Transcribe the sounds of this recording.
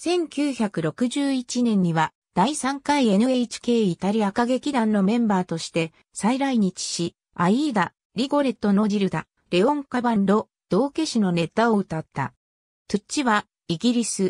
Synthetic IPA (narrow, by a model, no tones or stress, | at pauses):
sẽ̞ŋkʲɨːçakɯ̟ɾo̞kɯ̟ʑɨːit͡ɕinẽ̞ɲ̟ːiβa | d̪̥aisãŋkaie̞nɯ̟eit͡ɕi̥ke̞ːit̪aɾʲiakaɡe̞kʲid̪ãnːo̞mẽ̞mbaːt̪o̞ɕi̥t̪e̞ | saiɾaiɲ̟it͡ɕi̥ɕi | aiɡ̪a | ɾʲiɡo̞ɾe̞t̪o̞no̞ɾiɾɯ̟d̪a̰ | ɾe̞õ̞ŋkabãnd̪o̞ | d̪̥o̞ːke̞ɕino̞ne̞t̪aoɯ̟t̪at̪ːa̰ | tɨt͡ɕiβa | iɡʲiɾʲisɨ